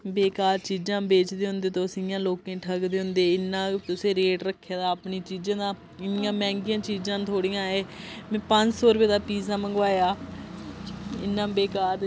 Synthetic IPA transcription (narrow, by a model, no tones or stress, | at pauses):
beːkaːɾt͡ʃiːd͡ʒãːbeːt͡ʃd̪eːɦʊ̃nd̪eːt̪õːəsĩjãːloːkẽːʈʰəɡd̪eːɦʊnd̪eːɪnːãːt̪ʊsẽːɾeːʈɾəkʰːjaːd̪aːpniːt͡ʃiːd͡ʒãːd̪aː | ɪnɪjãːmɛ̃ːŋɡɪjãːt͡ʃiːd͡ʒãːt̪ʰoːɽijãːeːmɛ̃ːpəɲd͡ʒsɔːɾpeːd̪aːpiːzãːməŋɡʋaːjaː | ɪ̰nːãːbeːkaːɾ